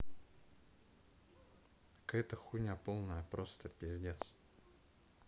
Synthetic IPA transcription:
kɛt̪əxunʲapolˠnəjəpɾʔost̪əpʲɪzʲdʲet̪s

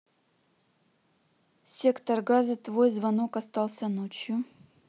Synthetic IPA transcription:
sʲe̞kt̪ərɡazɨt̪vojzvɐno̞kɐst̪alˠsʲɐnot͡ɕjʊ

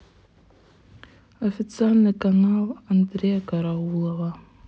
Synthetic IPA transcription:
ofit͡sarnakanaland̪ɾeakaɾawulava

